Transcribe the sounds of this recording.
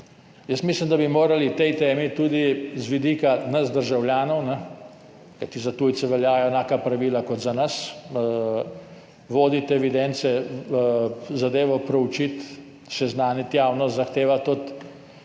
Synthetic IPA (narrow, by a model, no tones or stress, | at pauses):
jəsmislimd̪abimoːɾalit̪ɛjt̪eːmit̪uːd̪izʋid̪iːkanɐzd̪əɾʒawljaːnɔwnɛ | kajt̪izat̪uːjt̪sɛʋɛljaːjɔɛnaːkapɾaʋiːlakɔt̪zanɐs | ʋoːd̪it̪ɛʋid̪ɛnt̪sɛ | zad̪eːʋɔpɾɛut͡ʃit̪ | sɛznaːnit̪jaːwnɔst̪zaxt̪eːʋat̪ɔt̪